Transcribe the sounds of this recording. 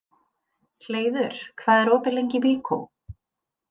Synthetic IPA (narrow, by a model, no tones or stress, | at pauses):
l̥eːjðʏɾ̥kʰvaːðɛɾɔːpɪlejɲcɪviːkʰo̰w